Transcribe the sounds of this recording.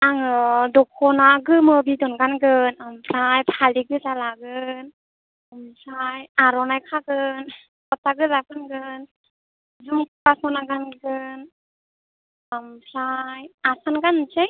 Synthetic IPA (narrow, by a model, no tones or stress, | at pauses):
aŋɯdɔkʰɔnaɡɯmɯbidɔnɡanɡɯnampʰɾajpʰaliɡɯzalaɡɯn | mpʰɾajaɾɔnajkʰaɡɯn | kɔtaɡɯzakʰɯnɡɯn | zumkkasɔnaɡanɡɯn | ampʰɾajasanɡant͡ʃej